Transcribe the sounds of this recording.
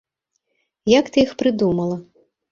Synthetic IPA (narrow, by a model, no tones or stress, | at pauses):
jakt̪ɨixpɾɨd̪umɐlˠɐ